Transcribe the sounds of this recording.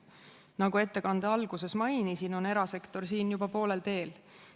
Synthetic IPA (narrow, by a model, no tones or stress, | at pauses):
nɑɡue̞t̪ːe̞kɑnd̪̥eɑlɡ̥use̞smɑjnisino̞ne̞ɾɑse̞kt̪o̞rsiːnjubɑpo̞ːle̞lt̪e̞ːl